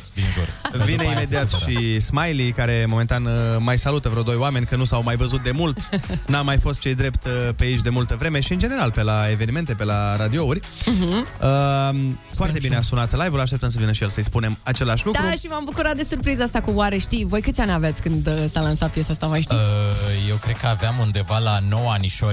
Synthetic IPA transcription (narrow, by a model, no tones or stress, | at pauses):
sbinuɾvineime̞d̪iat̪ʃismajlikaɾe̞mo̞me̞nt̪anəmajsalut̪əvɾeod̪ojoame̞nʲkənusawmajvəzut̪̚d̪e̞mult̪namajfo̞st̪̚t͡ʃe̞jd̪ɾe̞pt̪peait͡ʃʲd̪e̞mult̪əvɾe̞me̞ʃiɨnd͡ʒe̞ne̞ɾalpe̞lae̞ve̞nime̞nt̪e̞pe̞laɾad̪io̞ur̩ʲ | ə | foart̪e̞bineasunat̪lajvulaʃt̪ept̪əms̬əvinəʃielsəispune̞mat͡ʃe̞laʃlukd̪kɾuʃimambukuɾat̪̚d̪e̞surpɾizəast̪akuwaɾe̞ʃt̪ijvo̞jkɨt̪sʲanʲaveat̪ʲkɨnd̪salansat̪̚pʲjesast̪amajʃt̪ije̞wkɾe̞d̪̥̚kəaveamund̪e̞valano̞waniʃo